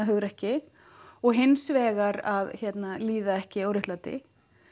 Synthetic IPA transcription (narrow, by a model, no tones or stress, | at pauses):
aɦʏɣɾɛhcɪ | ɔɣɦɪnːsvɛːɣaɾaðçjɛt̪naliːðaɛhcɪawɾʏht̪laːt̪ɪ̰